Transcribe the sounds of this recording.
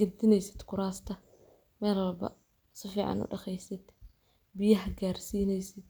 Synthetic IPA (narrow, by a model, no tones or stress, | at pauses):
ɡ̥ɐd̪ɪnɛjsɪd̪kʰʊɾaːst̪ʰɐ | mɛːlwɐlbɐ̰ | sɪfiːʕɑ̰nʊ̰ɖɐχɛjsɪd̪̥ | bɪjɐɦɐɡaːrsiːnɛjsɪd̪̚